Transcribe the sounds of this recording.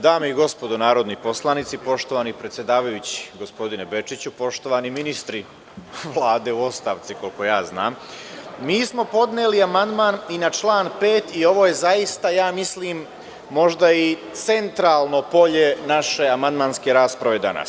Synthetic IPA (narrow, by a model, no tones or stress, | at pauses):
d̪aːmeiɡo̞spo̞d̪onaːɾo̞d̪nipo̞slˠanit̪sipo̞ʃt̪o̞ʋaːnipɾet̪sje̞d̪aːʋajut͡ɕi̥ɡospo̞d̪inebe̞t͡ʂit͡ɕupo̞ʃt̪o̞ʋaniminist̪ɾi | ʋlˠaːd̪e̞ːuo̞st̪aːʋt̪siko̞lko̞jaːzna̰ːmmiːsmo̞po̞d̪neːliamand̪maːninat͡ʃlaːnpe̞ːt̪io̞ʋo̞ːje̞zaist̪ajaːmisliːmː | o̞ʒd̪ait̪se̞nt̪ɾaːlˠnopo̞ʎe̞naʃe̞amand̪maːnske̞ɾaːspɾaʋe̞d̪a̰na̰s